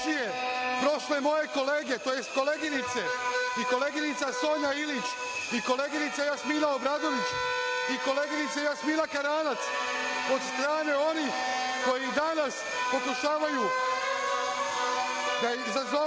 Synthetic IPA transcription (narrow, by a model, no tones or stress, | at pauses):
ije̞pɾo̞ʃle̞mo̞je̞ko̞leːɡe̞t̪oːje̞st̪̚ko̞leɡinit̪seiko̞leːɡinit̪saso̞ːɲailit͡ʃ | iko̞leɡinit̪sajasmiːnaobɾaːd̪o̞ʋit͡ʃiko̞leːɡinit̪sejasmiːnakaɾaːnat̪s | o̞d̪st̪ɾaːne̞o̞ni | ko̞jid̪anas | po̞kuʃaːʋaju | d̪aizazo